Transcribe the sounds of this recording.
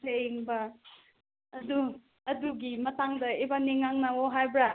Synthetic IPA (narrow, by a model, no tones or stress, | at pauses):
eeŋbɐ | du | ɐduɡimɐtaŋdɐebaniŋːaŋnawoɦajbɾa